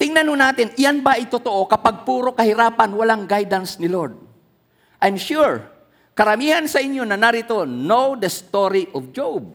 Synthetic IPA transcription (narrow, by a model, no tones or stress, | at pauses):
t̪ɪŋnɐnhonaːt̪ɪnʔɪjanbaʔɐt̪ot̪oʔo̞kɐpaɡ̚puːɾo̞kɐhɪɾaːpanwɐlaŋɡajd̪ansnɪloɹd̪̚ | ʔajmʃuɹ | kɐɾɐmiːhansɐʔɪɲjo̞nɐnaɾɪt̪o̞nowd̪ɐst̪oɾiʔɔfd͡ʒowb̚